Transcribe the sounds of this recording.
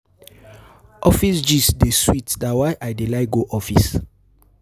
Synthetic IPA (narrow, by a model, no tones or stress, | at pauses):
ʔɔfisd͡ʒisdeswitdawajʔajdelaɪɡoʔɔfis